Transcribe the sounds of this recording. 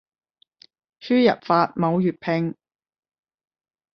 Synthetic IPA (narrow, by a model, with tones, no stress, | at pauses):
t͡ʃʰyː˥jɐ̰˨t̚faː˧t̚mo˨˧wjyː˨t̚pʰɪ˧ŋ